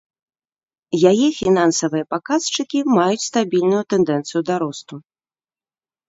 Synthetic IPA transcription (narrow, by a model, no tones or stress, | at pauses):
jajɛfʲinansɐvɨjɐpakast͡ʂɨkʲimajut͡sʲst̪abʲilʲnujut̪ɛnd̪ɛnt̪sɨjud̪aɾɔst̪u